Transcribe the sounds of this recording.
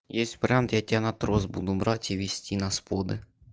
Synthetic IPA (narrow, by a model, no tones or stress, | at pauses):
jɛsʲtʲpɾʲɑmt̪jatʲanɐt̪ɾɔzbud̪ʊbɾɑtʲiʋʲisʲtʲinɐspɔd̪ɪ